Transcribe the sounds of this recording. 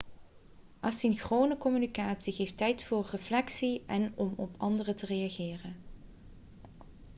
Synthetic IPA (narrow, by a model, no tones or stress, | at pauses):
ʔasinxroːwnəkɔmynikaːtsiɣejftɛjtfʊːrːəflɛksiɛnɔmɔpʰɑndərətərejaɣɪːrən